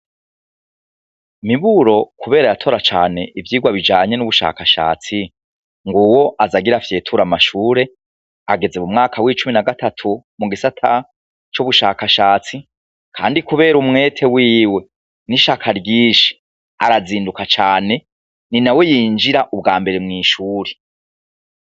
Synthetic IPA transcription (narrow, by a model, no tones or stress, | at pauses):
miβuɾo̞kuβe̞ːɾajatʰo̞ɾat͡ʃa̰ːne̞ʔivjiːɡwaβid͡ʒaːɲe̞nuβuʃa̰ːkaʃa̰ːt͡si | ŋɡuwo̞ʔazaɡiɾafje̞ːtʰuɾamaʃuːɾe̞ | aɡe̞zemumŋaːkʰawit͡ʃuminaɡatʰatʰumuɡisatʰa | t͡ʃuβuʃaːkaʃaːt͡si | kʰa̰ːndikuβe̞ːɾumŋe̞ːtʰe̞wiːwe̞ | niʃakʰaɾɟiːʃi̥ | aɾaziːndukat͡ʃaːne̞ | ninawe̞jiːnd͡ʒiɾaʔub̚ɡaːmbe̞ɾe̞mŋiːʃuːɾe